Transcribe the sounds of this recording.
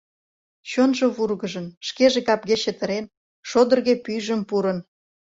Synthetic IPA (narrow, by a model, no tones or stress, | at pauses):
t͡ɕonʒoβurɣəʒənʃkeʒekɑp̚ɣet͡ɕə̆t̪ə̆ɾen | ʃod̪ə̆rɣepyʒəmpuɾən